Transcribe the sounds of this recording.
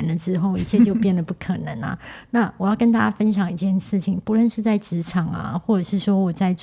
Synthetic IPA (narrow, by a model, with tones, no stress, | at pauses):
nlə˨ʈ͡ʂɻ̩˥xo˥˩ʊi˥˧t͡ɕʰjɛ˥˧t͡ɕjo˥˧ʊpjɛ˥˩nd̪ə˨˩pu˥˩kʰɤ˨˩nə̰˧˦ŋɐ̰˨˦na˥˩wɔ˨˩jɑ˥˩ʊkə˥nt̪̬a˥˩t͡ɕja˥fə˥nɕjɑ˨˩˦ŋi˧˩t͡ɕjɛ˥˧nʂɻ̩˥˩t͡ɕʰi˨˩ŋpu˧˥lə˥˧nʂɻ̩˥˧t͡sa˥˩ɪʈ͡ʂɻ̩˧˥ʈ͡ʂʰɑ˨˩˦ŋɐ̰˨xwɔ˥˩ʈ͡ʂɤ˨˩ʂɻ̩˥˩ʂwɔ˥wɔ˨˩t͡sa˥˧ɪ